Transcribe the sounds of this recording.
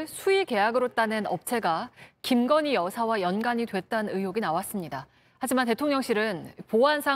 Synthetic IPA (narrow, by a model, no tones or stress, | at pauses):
ɭsʰuike̞jaɡɯɾot͈anenʌp̚t͡ɕʰe̞ɡakimɡʌɲijʌsʰawajʌnɡaɲidwe̞t͈anɯnɯjoɡinawas͈ɯmɲida | had͡ʑimante̞tʰoŋɲʌŋɕ͈ʰiɾɯnpoansʰa